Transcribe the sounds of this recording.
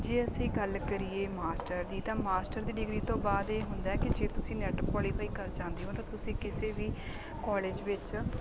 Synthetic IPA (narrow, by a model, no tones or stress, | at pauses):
d͡ʒeːəsĩːɡəlkəɾiːeːmaːsʈəɾd̪iːt̪ãːmaːsʈəɾd̪iːɖɪɡɾiːt̪õːbaːd̪eːɦʊnd̪aːɛːkɪd͡ʒeːt̪ʊsĩːnɛːʈəpkɔːliːpʰaːiːkəɾd͡ʒãːnd̪iːɦoːt̪ãːt̪ʊsĩːkɪseːʋiː | kɔːleːd͡ʒʋɪt͡ʃ